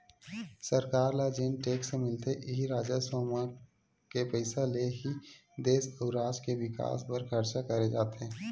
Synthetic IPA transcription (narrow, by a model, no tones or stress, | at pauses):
səɾkaːɾlaːd͡ʒeːnʈeːksemɪlt̪eʔɪɦiɾaːd͡ʒaswoːma | kepəɪsaleɦid̪eːsəʊɾaːd͡ʒkeʋɪka̰ːspɐɾkʰɐɾt͡ʃakɐɾed͡ʒaːt̪eɦɛ̃ː